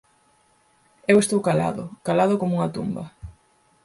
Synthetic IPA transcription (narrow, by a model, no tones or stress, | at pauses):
ewest̪owkala̰ðʊ̰kalaðokomuŋɐt̪umbɐ̰